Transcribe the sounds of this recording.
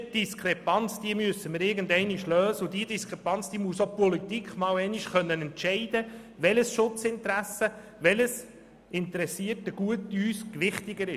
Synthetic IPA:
d̥iskɾɛpɑnt͡sd̥iəmysəməɾɪɾɡən̩dɛɪniʃløːzəʊdiədiskɾɛpɑnt͡sd̥̪iːmuəsopɔlit̪ikχmɑːwɛɪniʃχœnːənɛntʃɛɪd̥̪ə | ʋɛləsʃʊt͡sɪntɾæsə | ʋɛləs | ɪnt̪əɾɛsiətəɡ̥uətyːskʋɪχt̪ɪɡəɾɪ

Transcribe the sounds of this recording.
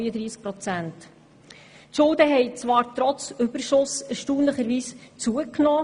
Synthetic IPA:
əd̪ɾiːsk̚pɾɔt͡sænt | tʃʊlˠdəɦɛɪt͡sʋɑːɾtrɔt͡sʏb̥əɾʃʊsɛɾʃtuːnləχəɾʋiːst͡suəknɔː

